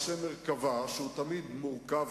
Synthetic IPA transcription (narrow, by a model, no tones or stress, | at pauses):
semeʁkavaʃeut̪amid̪muʁkav